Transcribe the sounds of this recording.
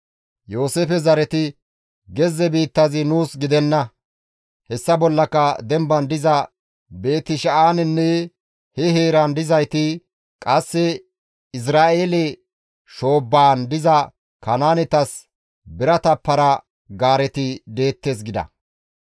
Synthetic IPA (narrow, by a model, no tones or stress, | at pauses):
jo̞ːseːfɛzɐɾɛt̪ɪ | ɡɛzːɛbiːt̪ːɐzɪnuːsɡɪd̪ɛnːɐ | hɛsːɐbɔlːɐkːɐd̪ɛmbɐnd̪ɪzɐ | be̞ːt̪ːɪʃɐʔaːnɪnːɛ | hɛɦeːɾɐnd̪ɪzɐjt̪ɪ | kʼɐsːɛ | ɪs̬ɾaːʔeːlɛ | ʃo̞ːbːaːnd̪ɪzɐ | kɐnaːnɛt̪ɐs | bɪɾɐt̪ɐpːɐɾɐ | ɡaːɾɛt̪ɪd̪e̞ːt̪ːes̬ɡɪd̪ɐ̰